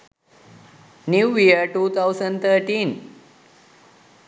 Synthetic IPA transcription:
njuːʋiəɾʈuːt̪ʰawsəɳɖt̪ʰəɾʈĩːn

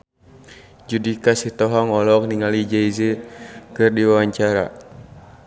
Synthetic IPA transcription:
d͡ʒudikasiht̪ɔɦɔŋɔlɔk̚niŋalid͡ʒaizekɨrdiwawaɲt͡ʃaɾa̰

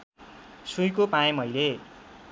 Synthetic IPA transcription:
sujkopajemʌjle

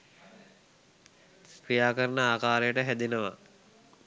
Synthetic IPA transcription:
kɾijaːkəɾənəaːkaːɾejəʈəɦæd̪inəʋa̰

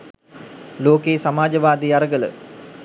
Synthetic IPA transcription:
loːkeːsamaːd͡ʒəʋaːd̪iːaɾəɡələ̰

